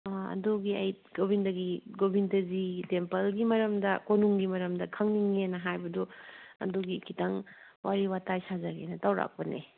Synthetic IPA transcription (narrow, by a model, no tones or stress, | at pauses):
ɐ̰duɡiɐ̰j | ɡobindɐɡiɡobindɐzitempɐlɡimɐɾɐmdɐkonuŋɡimɐɾɐmdɐkʰɐŋniŋenɐɦajbɐduɐ̰duɡikʰitaŋ | wʔaɾiwatajsazɐɡḛnɐtawɾa̰k̚pɐnḛ